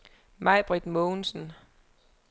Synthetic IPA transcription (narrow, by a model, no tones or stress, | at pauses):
mɑ̈ɪb̥ʁid̥mɔːn̩sn̩